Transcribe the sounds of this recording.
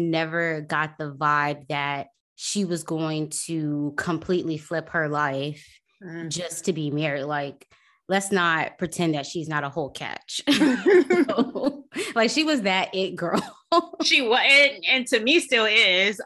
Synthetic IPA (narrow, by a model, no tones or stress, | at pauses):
nɛvə˞ɡɑt̪̚ðəvaɪb̚ðɨt̚ | ʃiwʌzɡoʊɪ̃ŋtʰɨkʰə̃mpʰl̥iʔˡliflɪphə˞laɪf | d̥ʒd͡ʒʌstʰɨbimɛɹidlaɪk̚ | lɛtsnət̚pʰɹ̥itʰɛ̃nðɨtʃiznəɾəhoʊlˠkʰæ̰t͡ʃ | laɪkʃiwʌzðɨɾɪt̚ɡ̥ɜ˞ | ʃiwʌɨtɨ̃ntʰɨmistɪlˠɪz